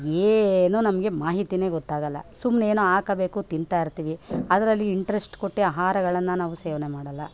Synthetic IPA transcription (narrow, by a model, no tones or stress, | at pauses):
eːnunɐmɐɡe̞maːɦit̪ine̞ːɡɔt̪ːaːɡɐlːɐ̰sumːneːnuaːkɐbeːkut̪int̪aːjiɾt̪iːʋiɐd̪ɐɾɐlːiːɳʈɐɾesʈkoʈːiaːɦaːɾɐɡɐɭɐnːɐnaːʋuseːʋɐnemaːɽɐlːɐ